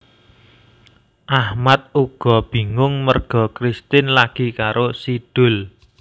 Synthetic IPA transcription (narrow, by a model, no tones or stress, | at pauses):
ʔahmat̪̚uɡ̥ɔ̤b̥i̤ŋʊŋmərɡ̥ɔ̤kɾist̪ɪnlaɡ̥i̤kaɾosid̥ʊ̤l